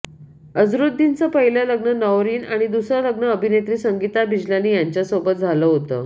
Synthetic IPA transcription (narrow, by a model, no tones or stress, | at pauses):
əd͡zɾud̪ːint͡səpəɦilələɡnənəʋɾiːnaɽ̃id̪usɾələɡnəəbʱinet̪ɾiːsəŋɡit̪abʱid͡ʑljaniːjaɲt͡ɕjasobət̪̚d͡zʱaləːɦot̪ə̰ː